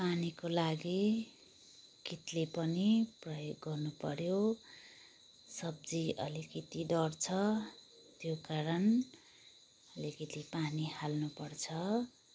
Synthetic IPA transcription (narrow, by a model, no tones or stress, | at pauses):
panikolaɡi | kit̪lepʌniprʌjoɡːʌrnupʌɾjo | sʌb̚d͡ziʔʌlikit̪id̪ʌrt͡sʰʌ | t̪jokaɾʌn | ʌlikit̪ipanihalnupʌrt͡sʰʌ